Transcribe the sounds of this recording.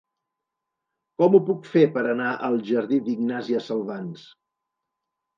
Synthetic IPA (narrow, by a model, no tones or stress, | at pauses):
kɔmupukfepəɾənaʔəlˠʒəɾðiðiɡnaziəsəlˠβans